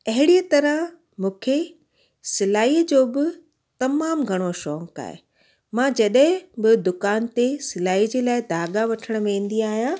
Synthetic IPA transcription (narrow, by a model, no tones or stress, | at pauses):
ɐɦɪɽijət̪ɐɾəɦ | mũːkʰe | sɪlaːid͡ʑoːbɪ | t̪ɐmaːmɡʱɐɽ̃oʃɔːka̰ːɦḛ | mãd͡ʑɐɗɦɪ̃bɪd̪ʊkaːnt̪esɪlaːid͡ʑeːlaːɪd̪ʱaːɡaʋɐʈʰəɽ̃̆ʋẽːn̆d̪iaːɦijãː